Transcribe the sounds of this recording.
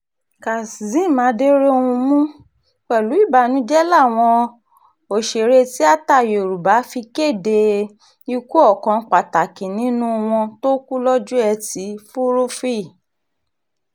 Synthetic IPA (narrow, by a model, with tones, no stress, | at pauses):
ka˨szĩ˨˦˨mãː˨˦de˦ɾe˦o˧ũ˧mũ˦ | k͡pɛ˨lu˨˦i˦˨ba˨nũ˦d͡ʒɛ˦la˦˨w̃ɔ̃˧ | o˨ʃe˨ɾe˧ti˦a˦ta˦˨jo˨ɾu˨ba˨˦fi˧ke˦˨de˧ | i˧ku˦ɔ˦˨kɔ̃˨˧k͡pa˨ta˨kĩ˨nĩ˨˦nũ˦w̃ɔ̃˧to˦ku˦lɔ˦d͡ʒu˦ɛ˧ti˨˦fu˦ɾo˦fi˦˨